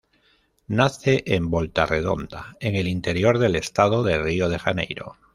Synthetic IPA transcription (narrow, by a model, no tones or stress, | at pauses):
naθe̞ʔembo̞lt̪are̞ð̞o̞̰nd̪a̰eŋe̞lint̪e̞ɾjoɾðe̞le̞st̪að̞o̞ðe̞rio̞ð̞e̞xanḛjɾo̞̰